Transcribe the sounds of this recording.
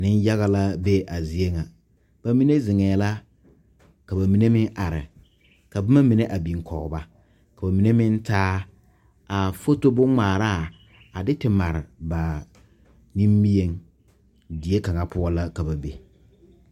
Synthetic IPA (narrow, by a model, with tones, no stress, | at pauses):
nɪ˦n˦ja˦ɣa˦la˦be˦ʔa˨zi˨e˦ŋa˨ | b̥a˨mi˦ne˦zɪ˨ŋɛː˨la˦ | ka˨ba˨mi˨˦ne˦mɪ˦ŋʔa˨ɾɪ̰˨ | ka˨ba˦ma˦mi˨ne˦ʔa˨bi˨ŋ˨kʰɔ˨ɣba˦ | ka˨ba˨mi˨ne˦mɪ˦n˦taː˦ | a˨fo˦to˦bʊ˦ŋ͡maː˨ɾaː˦˨ | a˨dɪ˦tɪ˨ma˨ɾɪ˨ba˨ | ni˦mbi˦e˦ŋ | dɪ˨e˦ka˨ŋa˨pʊ˦ɔ˦la˦ka˨ba˨be˨